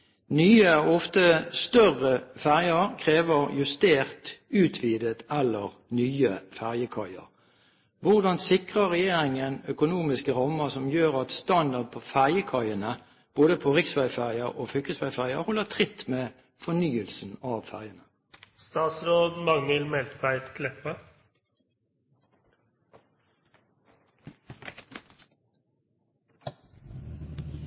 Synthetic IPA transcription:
nyːəɔft̪əst̪œʁəfæʁjəʁkʰʁeːʋəʁjʉst̪eːʁt̪ʉːt̪ʰʋiːd̪ət̪ɛlːəʁnyːəfæʁjəkʰɑɪə̰ʁ | ʋʊʁd̪ɑnsɪkʁəʁɛjeːɾɪŋənœkʊnuːmɪskəʁɑmːəsɔmjøːʁɑt̪st̪ɑnd̪ɑʁd̪̚pʰɔfæʁjəkʰɑɪənə | b̥oːd̪əpʰoːʁɪksʋæɪfæʁɪəʁʔoːfʏkəsʋæɪfæʁɪəhɔlːət̪ʰʁɪt̪meː | fɔnyːəlsn̩ɑʋfæ̰ʁjənə | st̪ɑːt̪sɾoːd̪mɑŋəlmɛlt̪bæɪt̪kʰlɛpə

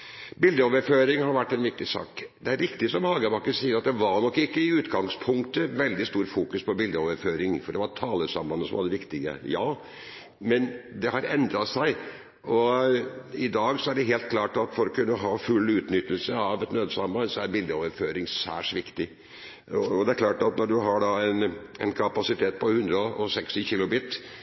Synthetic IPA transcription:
bɪld̪əoːʋəɾføːɾɪŋhɑɾʋæʈːɛnʋɪk̚t̪ɪsɑ̰ːkd̪ɛæɾʋɪkt̪ɪsɔmhɑːɡəbɑkːəsiːəɾɑt̪̚d̪ɛʋɑɾɳɔkːɪkːəɪʉːt̪ɡɑŋspʰʊŋk̚t̪əʋɛld̪ɪst̪uːɾfuːkʉspʰɔbɪld̪əoːʋəɾføːɾɪŋfɔɖɛʋɑɾʈʰɑːləsɑmbɑnːəsɔmʋɑ̰d̪ɛʋɪkt̪ɪɡə̰jɑː | mɛnd̪ɛhɑɾɛnd̪ɾɑsæɪ | ɔ | ɪd̪ɑːɡsɔæɖɛɦeːlt̪̚kʰlɑːʈɑt̪fɔɾɔkʰʉnːəɦɑːfʉlːʉːt̪nʏt̪ːəlsəɑʋɛt̪nøːd̪əsɑmbɑnsɔæɾbɪld̪əoːʋəɾføːɾɪŋsæ̰ːʂʋɪkt̪ɪ | ɔd̪ɛæɾkʰlɑːʈɑt̪nɔɖʉɦɑɖɑɛnɛnkʰɑpɑsɪt̪ʰeːt̪̚pʰɔhʉnd̪ɾəɔɔsɛkst̪ɪçɪlʊbɪt̪ː

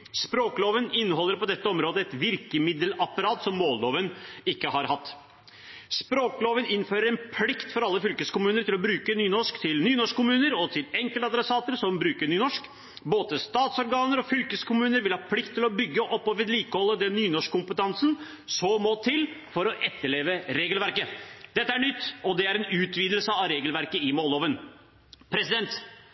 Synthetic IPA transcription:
spɾoːkloːʋənɪnːəɦɔlːəɾpɔd̪ɛt̪ːəɔmɾoːd̪əɛt̪ʋɪɾkəmɪd̪əlɑpɑɾɑːt̪sɔmːoːlloːʋənɪkːəhɑɾhɑt̪ː | spɾoːkloːʋənɪnføːɾəɾɛnpʰlɪkt̪fɔɾɑlːəfʏlkəskʊmʉːnəɾʈ̪ɪlɔbɾʉːkənyːnɔʂkt̪ʰɪlnyːnɔʂkkːʊmʉːnəɾɔt̪ʰɪlɛŋkəlt̪ɑd̪ɾɛsɑːt̪əɾsɔmbɾʉːkəɳyːnɔʂk | boːt̪əst̪ɑːt̪sɔɾɡɑːnəɾɔfʏlkəskʰʊmʉːnəɾʋɪlhɑːpʰlɪkt̪ːɪlɔbʏɡːəʔɔpːɔʋɛːd̪liːkəhɔlːəd̪ɛnːyːnɔʂkkːʊmpət̪ʰɑnsn̩ | sɔmoːt̪ʰɪlfɔɾɔʔɛt̪ːəɭeːʋəɾeːɡəlʋæɾkəd̪̥ɛt̪ːəæɳʏt̪ːɔd̪ɛæɾɛnʉːt̪ʰʋiːd̪əl̩səɑʋɾeːɡəlʋæɾkəɪmoːloːʋən | pʰɾɛsɪd̪ɛnt̪

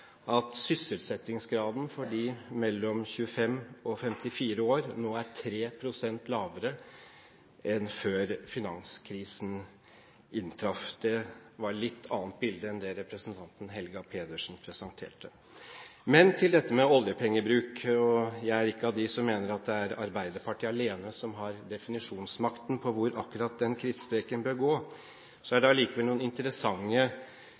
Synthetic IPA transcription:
ɑt̪sʏsːəlt̪sɛt̪ːɪŋsɡɾɑːd̪n̩fɔɖiːmɛlːɔmçʉːəfɛmɔfɛmt̪ɪfiːɾəoːɾnoːæʈʰɾeːpʰɾʊsɛnt̪lɑːʋəɾə | ɛnføːɾfɪnɑŋskʰɾiːsn̩ | ɪnt̪ʰɾɑfd̪̥ɛʋɑɾɭɪt̪ʰːɑːnt̪̚bɪld̪əɛnd̪ɛɾɛpɾəsənt̪ʰɑnt̪ən̩ɦɛlɡɑpʰeːd̪əʂn̩pʰɾɛsənt̪ʰḛːʈə | mɛnt̪ʰɪld̪ɛt̪ːəmɛɔljəpʰɛŋːəbɾʉːkɔjæɪæɾɪkːəɑʋd̪ɪsɔmːeːnəɾɑt̪̚d̪ɛæɾɑ̰ɾbæɪd̪əɾpʰɑʈʰiːɑleːnəsɔmɦɑɾd̪ɛfɪnɪʂuːnsmɑkt̪n̩pʰɔʋʊɾɑkːʉɾɑt̪̚d̪ɛnkʰɾiːt̪st̪ɾeːkənbøːɾɡoː | sɔæɖɛɑɭiːkəʋɛluːənɪnt̪əɾəsɑŋːə

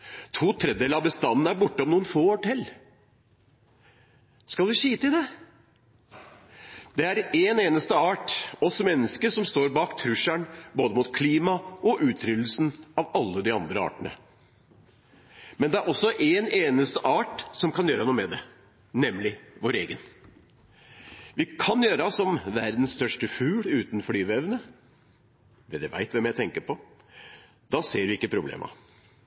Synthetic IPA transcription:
t̪ʰuːt̪ʰɾɛd̪d̪eːləɑbəst̪ɑnːn̩æɾbʊʈːəɔmnuːənfoːɔʈʰɛlː | skɑlʋɪɕiːt̪əɪd̪ɛ | d̪̥ɛæɾeːneːnəst̪əɑːʈɔsɔmɛnːəskəʂɔmst̪oːɾbɑːkt̪ʰɾʉʂæɳboːd̪əmuːt̪kʰliːmɑʔɔʔʉːt̪ʰɾʏd̪l̩sn̩ɑʋɑlːəd̪ɪɑ̰nd̪ɾəɑ̰ːʈəɳə̰ | mɛnd̪ɛæɾʔɔsːɔʔeneːnəst̪əʔɑːʈsɔmkʰɑnjøːɾənuːmɛd̪ɛ | nɛmlɪʋoːɾḛːɡən | ʋɪkʰɑnjøːɾsɔmʋæɾd̪n̩sst̪œʂʈəfʉːlʉːt̪n̩fɔɾyːʋɛʋnə | d̪ɛd̪ɛʋæ̰ɪt̪ʋɛmjæɪt̪ʰɛŋkəpɔ | d̪̥ɑseːɾʋɪɪkːəpʰɾʊblḛːmʔɑ̰

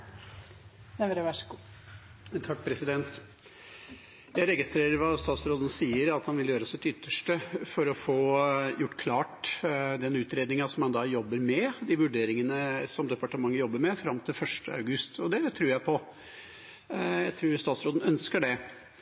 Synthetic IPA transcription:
ɛɾəʋæʂəɡuː | t̪ʰɑk̚ːpʰɾɛsɪd̪ɛnt̪ | jæɪɾɛɡɪst̪ɾeːɾəɾʋɑst̪ɑːt̪sɾoːd̪ən̩siːəɾɑt̪hɑnʋɪljøːɾəsɪt̪ʏt̪ːəʂʈəfɔɾɔfoːjʊʈːkʰlɑːʈd̪ɛnʉːt̪ɾeːd̪nɪŋɑsɔmhɑnd̪ɑːjɔbːəɾmɛd̪ɪʋʉɖeːɾɪŋənəsɔmd̪ɛpɑʈəmɑŋːəjɔbːəɾmɛfɾɑmːt̪ʰɪlfœʂʈə̰ɑ̰ʉɡʉst̪ɔd̪ɛt̪ʰɾʉːɾjæɪpʰɔ | jæɪt̪ʰɾʉːɾst̪ɑːt̪sɾoːd̪n̩œnskəɖɛ

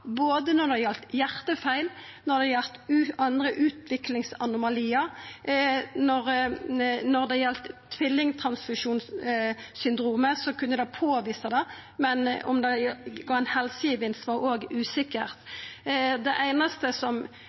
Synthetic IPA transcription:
boːd̪ənɔʁd̪ɛjɛlt̪jæʁt̪əfæɪl | nɔʁd̪ɛjɛlt̪ʉɑnd̪ʁəʔʉːt̪ʋɪklɪŋsɑnʊmɑliːə | nɔʁ | nɔʁd̪ɛjɛlt̪ʰːʋɪlːɪŋt̪ʰʁɑnsfʉʃuːnssʏnd̪ʁuːməsɔkʰʉnːəd̪ɛpʰoːʋiːsɑd̪ɛ | mɛnɔ̰md̪ɛɡɑːɛɪnhɛlsəjiːʋɪnsʋɑʁoːɡʉːsɪkəʁt̪ | d̪ɛʔæɪnɑst̪əsɔm

